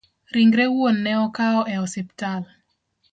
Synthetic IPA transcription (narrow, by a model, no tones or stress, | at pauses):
ɾiŋɡɾewuonːɛɔkaɔʔɛɔsɛpi̥tal